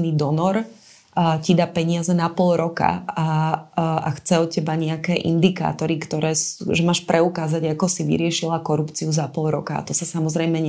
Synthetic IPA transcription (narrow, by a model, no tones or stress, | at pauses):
nid̪ɔnɔɾ | cid̪apɛɲɪazɛnapɔlɾɔka̰a | a̰xt͡sɛɔcːɛbaɲɛakɛːʔḭnd̪ika̰ːt̪ɔɾikt̪ɔɾɛːsʒɛmaːʃpɾʔɛukaːzaɟakɔsiʋḭɾɪɛʃilakɔɾupt͡siuzapɔlɾɔkaa̰t̪ɔsasamɔzɾɛjmɛɲ